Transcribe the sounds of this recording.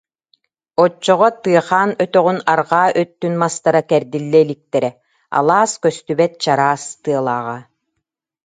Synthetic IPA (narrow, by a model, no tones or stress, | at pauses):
ɔt͡ʃːɔʁɔt̪ɯɐχaːnœt̪œʁynaɾʁaːʔœt̪ːynmast̪aɾakɛɾd̪ilːɛilik̚t̪ɛɾɛ | a̰lˠaːskœst̪ybɛt̪̚t͡ɕaɾaːst̪ɯɐlˠa̰ːʁa